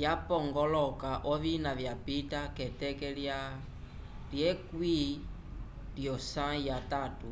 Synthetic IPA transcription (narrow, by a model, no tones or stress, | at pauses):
japɔŋɡɔlɔkaʔɔβinavjapitakɛtɛkɛlja | ljɛkwi | ljɔsãjatatu